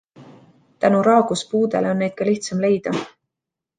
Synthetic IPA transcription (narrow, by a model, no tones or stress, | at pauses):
t̪ænuɾɑːɡ̥uspuːd̪eleo̞nːe̞jd̪̥̚kɑliht̪sɑmle̞jd̪̥ɑ